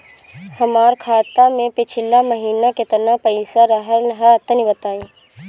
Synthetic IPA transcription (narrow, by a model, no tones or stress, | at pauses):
hɐmaːɾkʰaːt̪amẽpɪt͡ʃʰɪlːaməɦiːnaket̪ənapɐisaɾəɦəlɦɛɐt̪ənibət̪aːiː